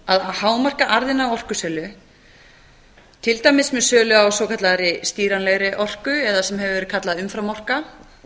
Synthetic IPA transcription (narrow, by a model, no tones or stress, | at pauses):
aðahaːwmar̥kaʔaɾðɪnawɔr̥kʏsɛːlʏ | t̪ʰɪlt̪aːjmɪsmɛðsœːlʏawsowkʰat̪laɾɪst̪iːɾanlɛɣɾɪʔɔr̥kʏɛðasɛmɦɛvʏvɛːɾɪðkʰat̪laðʏmfɾamːɔr̥ka